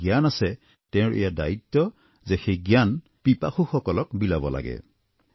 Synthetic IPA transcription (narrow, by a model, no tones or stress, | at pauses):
ɡijanasɛ | tɛʊɹʔḛjada̰jitːɔ | zɛxejɡijan | pipaxuxɔkɔlɔkbilabɔ̰la̰ɡɛ̰